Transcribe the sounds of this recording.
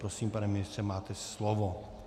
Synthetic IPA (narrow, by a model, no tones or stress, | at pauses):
pɾosiːmpanɛmɪnɪst̪rɛmaːt̪ɛsslovo